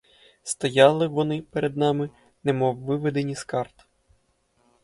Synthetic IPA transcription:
st̪ɐjɑlˠɪʋɔnɪpeɾʔed̪̚nɑmɪ | nɛmɔwːɪʋed̪enʲiskɑrt̪

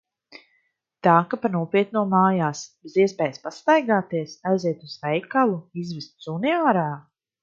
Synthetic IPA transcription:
t̪aːkapanuɔpiɛt̪̚nuɔmaːjaːsb̥eziɛspɛːjspast̪ajɡaːt̪iɛsajzɛt̪uzvɛjkalˠuizvist̪suniaːɾaː

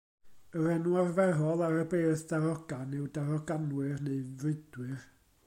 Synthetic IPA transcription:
əɾɛnwarvɛrɔlˠaɾəbeːθd̥aɾɔɡ̥anɪwdaɾɔɡanwɪrneɨvɪd̥wɪr

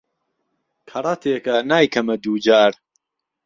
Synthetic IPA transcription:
kʰɐɾˤɑt̪ʰeːkɐnaːjkʰɐmɐd̪uːd͡ʒaːɾ

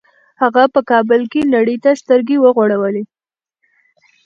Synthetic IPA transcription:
haɣapəkɑbəlkenaɽəjt̪ast̪əɾɡewəɣoɽawəle

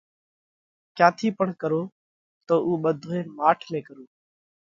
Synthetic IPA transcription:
kaːt̪ʰiːpəɳkəɾoː | t̪oːʔuːɓəd̪ʱoẽːmaːʈʰmẽːkəɾoː

